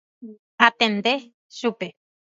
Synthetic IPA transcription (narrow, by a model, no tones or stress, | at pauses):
hat̪ẽnd̪e | ʃupe